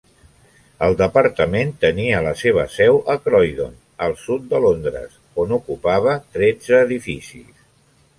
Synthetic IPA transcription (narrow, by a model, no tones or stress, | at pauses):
əlˠd̪əpəɾt̪əment̪əniələseβ̞əsɛwʔəkɾɔjðo̰n | əlˠsut̪̚d̪əlond̪ɾə̰s | onukupaβ̞ət̪ɾɛd͡zəːðifisḭs